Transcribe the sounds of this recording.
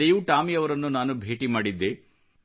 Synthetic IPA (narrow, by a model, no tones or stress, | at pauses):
ejuːʈaːmiɐʋɐɾɐnːunaːnubʱe̞ːʈimaːɽid̪ːe